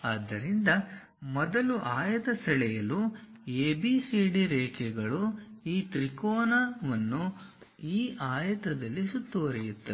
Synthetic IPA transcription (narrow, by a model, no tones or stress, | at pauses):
aːd̪ːɐɾind̪ɐ | mɔd̪ɐluʔaːjɐt̪ɐsɐɭɛjɐlueːbisiːɖiɾɛːkʰɛɡɐɭuiːt̪ɾikoːnaʋɐnːu | iːʔaːjɐt̪ɾɐd̪ɐlːisut̪ːoːɾijut̪ːɐ